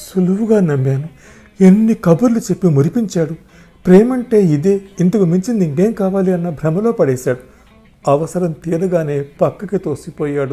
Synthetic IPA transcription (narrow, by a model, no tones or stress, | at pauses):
suluʋuɡaːnɐmːaːnu | e̞nːikɐbuɾlut͡ʃepːimoɾipiɲt͡ʃaːɽu | pɾeːmɐɳʈe̞ːid̪eːint̪ɐkumiɲt͡ʃind̪iŋɡe̞ːmkaːʋaːliɐnːɐbʱɾɐmɐlo̞ːpɐɽɛːʃaːɽu | ɐʋɐsɐɾɐmt̪iːɾɐɡaːne̞ːpɐkːɐkit̪oːsipɔːjaːɽu